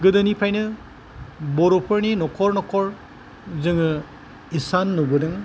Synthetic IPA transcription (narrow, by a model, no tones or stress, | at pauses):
ɡɯdɐnipʰajnɯ | bɔɾɔpʰɐɾninɔkʰɔɾnɔkʰɔɾ | zɯŋɯ | isanːubɯdɯŋ